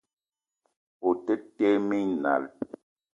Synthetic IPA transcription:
po˨tə˦te˦mi˦ɲna̰˨l

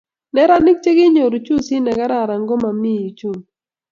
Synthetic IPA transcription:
nɛ˦ɾa˦nɪ˦k̚t͡ʃe˦ɡɪ˦ɲo˨ɾu˨t͡ʃu˦si˦na˨ɡa˦ɾa˦˨ɾa˨ŋɡo˦ma˨mi˦˨i˨t͡ʃu˦˨ŋ

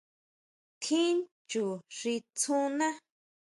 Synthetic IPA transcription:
t̪ʰĩ˦n | t͡ʃu˨ʐi˧t͡sʰũ˦nã˦

